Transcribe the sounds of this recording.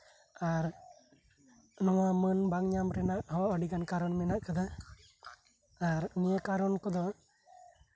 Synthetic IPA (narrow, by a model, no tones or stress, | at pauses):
aɾ | nɔwamənbaŋɲamɾɛnaʔhɔaʔɔɖiɡankaɾɔnmɛnaʔkad̪a | aɾnijekaɾɔnkɔd̪ɔ